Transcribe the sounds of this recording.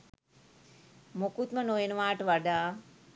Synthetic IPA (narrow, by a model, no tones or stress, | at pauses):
mokut̪̚mənojenəʋaːʈəʋaɖaː